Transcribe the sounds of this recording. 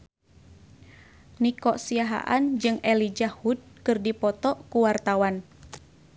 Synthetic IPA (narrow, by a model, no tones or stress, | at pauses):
nikɔʔsiaɦa̰ʔand͡ʒɨŋɛlid͡ʒahud̚kɨrdipɔt̪ɔʔkuwart̪awan